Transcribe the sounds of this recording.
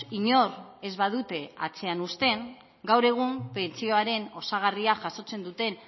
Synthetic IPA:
iɲo̞re̞zβaðut̪e̞at͡se̞anust̪e̞ŋ | ɡawɾe̞ɣ̞umpe̞nt͡sio̞aɾe̞no̞saɣ̞ariaʝaso̞t͡se̞nd̪ut̪e̞n

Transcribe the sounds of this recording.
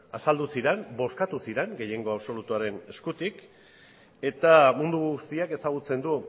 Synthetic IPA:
asald̪usiɾembo̞skat̪usiɾe̞ŋɡe̞je̞ŋɡo̞aβso̞lut̪uaɾe̞ne̞skut̪ik | e̞t̪amund̪uɣust̪iake̞saɣ̞ut͡se̞nd̪u

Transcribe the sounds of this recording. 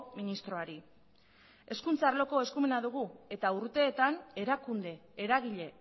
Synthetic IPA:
minist̪ɾo̞aɾi | e̞skunt͡saːɾloko̞e̞skume̞naðuɣ̞ue̞t̪auɾt̪e̞ːt̪ane̞ɾakund̪e̞ːɾaɣ̞iʎe̞

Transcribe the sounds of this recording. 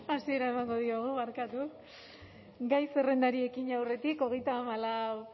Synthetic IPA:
asie̞ɾae̞maŋɡo̞ð̞ioɣ̞umaɾkat̪u | ɡajse̞re̞nd̪aɾie̞kiɲawre̞t̪iko̞ɣ̞e̞jt̪aːmala

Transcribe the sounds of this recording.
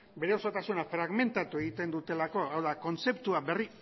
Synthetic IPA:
be̞ɾe̞osot̪asunafɾaɣme̞nt̪at̪ue̞ɣ̞it̪e̞nd̪ut̪e̞lako̞awðako̞nt͡se̞pt̪uabe̞ri

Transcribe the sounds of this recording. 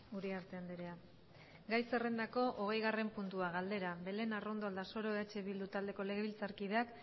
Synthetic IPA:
ɡuɾeaɾt̪e̞and̪eɾe̞a | ɡajse̞re̞nd̪ako̞ʔoɣ̞e̞jɣare̞mpunt̪uaɣald̪e̞ɾaβe̞le̞naro̞nd̪o̞ald̪aso̞ɾo̞eat͡ʃe̞βild̪ut̪ald̪e̞ko̞le̞ɣ̞e̞βilt͡saɾkiðeak

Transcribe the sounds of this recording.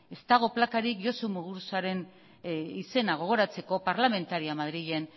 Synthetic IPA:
e̞st̪aɣ̞o̞plakaɾikʝo̞somuɣuɾsaɾe̞n | ise̞naɣ̞o̞ɣo̞ɾat͡se̞ko̞paɾlame̞nt̪aɾiamaðɾiʎen

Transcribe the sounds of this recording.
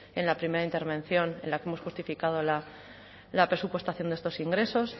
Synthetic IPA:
e̞nlapɾime̞ɾaint̪e̞ɾβ̞ẽ̞n̟θjo̞nḛ̃nlakee̞mo̞sxust̪ifikað̞o̞la | lapɾe̞supwe̞st̪aθjond̪est̪o̞siŋɡɾe̞so̞s

